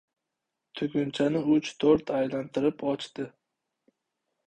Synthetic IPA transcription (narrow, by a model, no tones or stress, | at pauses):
t̪ʰʊɡʲʊnt͡ʃʰanɪʊt͡ʃt̪ʰoɾt̪ʰajlant̪ʰɪɾɪpʰɒt͡ʃt̪ɪ